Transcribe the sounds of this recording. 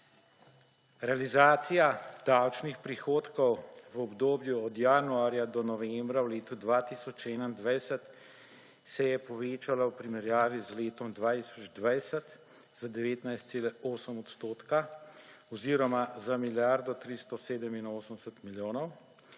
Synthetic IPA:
ɾɛalizaːt̪sijad̪̥awt͡ʃnixpɾixoːt̪kɔwʋɔbd̪oːbjuɔd̪jaːnuaːɾjad̪ɔnɔʋɛmbɾawleːt̪ud̪ʋaːt̪iːsɔt͡ʃɛːnaind̪ʋajsət̪ | sɛjɛpɔʋeːt͡ʃalawpɾimɛɾjaːʋizleːt̪ɔmd̪ʋaːt̪isɔd͡ʒd̪ʋajsət̪ | z̥ad̪ɛʋeːt̪najst̪seːlɛoːsəmɔt̪st̪oːt̪ka | ɔziːɾɔmazamiljaɾd̪ɔt̪ɾist̪ɔseːd̪əminoːsəmsət̪miljoːnɔw

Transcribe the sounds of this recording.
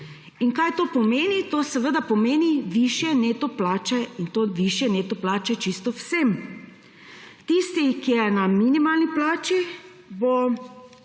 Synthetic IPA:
inkajt̪oːpɔmeːnit̪oːsɛʋəd̪apɔmeːniʋiːʃjɛneːt̪ɔplaːt͡ʃɛint̪oːʋiʃjɛneːt̪ɔplaːt͡ʃɛt͡ʃist̪ɔwsem | t̪ist̪ikijɛnaminimaːlniplaːt͡ʃi | bo

